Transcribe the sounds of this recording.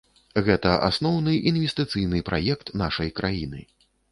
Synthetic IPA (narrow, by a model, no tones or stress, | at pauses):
ɣɛt̪ɐʔa̰snɔwnɨinvʲɛst̪ɨt̪sɨjnɨpɾʔajɛkt̪naʂɐjkɾʔajinɨ̰